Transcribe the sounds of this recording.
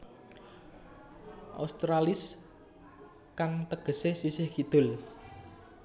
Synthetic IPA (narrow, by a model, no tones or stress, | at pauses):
ʔa̰st̪ɾalɪs | kaŋt̪əɡ̥ə̤sesisɪhkid̪̥ʊ̤l